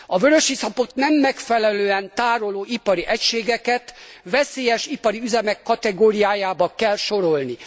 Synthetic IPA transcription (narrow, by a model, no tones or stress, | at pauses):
ɒvøɾøʃisɒpo̞t̪nɛmːɛkfɛlɛløːɛnt̪aːɾoloːʔipɒɾiʔɛcʃeːɡɛkɛt̪ʋɛseːjɛʃipɒɾiyzɛmɛkːɒt̪ɛɡoːɾijaːjaːbɒkɛlʃo̞ɾo̞lni